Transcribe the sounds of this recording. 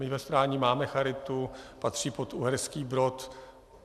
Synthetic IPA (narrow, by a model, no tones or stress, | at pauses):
mɪvɛspɾaːɲɪmaːmɛxaɾɪt̪upat̪r̥iːpot̪uɦɛɾskiːbɾot̪